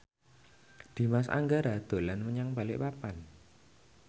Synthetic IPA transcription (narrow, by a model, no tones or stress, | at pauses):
d̪̥i̤masa̰ŋɡaɾad̪̥o̤lanməɲaŋb̥alɪ̰ʔpapan